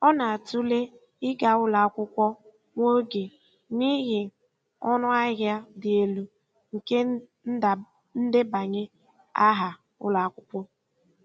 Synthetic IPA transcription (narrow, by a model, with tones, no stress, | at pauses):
ɔ˦na˨a˨tu˦le˦ | ɪ˦ɡa˨ʊ˦la˨a˦kʷʊ˦kʷɔ˦ | ŋʷo˦ɡe˨ | ni˦ɦɪ˨ | ɔ˦nʊ˦a˦ɦja˦dɪ˨e˨lu˨ | ŋ̩˨ke˦˨ | n̩˦dɪ˦ba˨ɲe˦ | a˦ɦa˨ | ʊ̰˦la˨a˨kʷʊ˦pʷɔ˦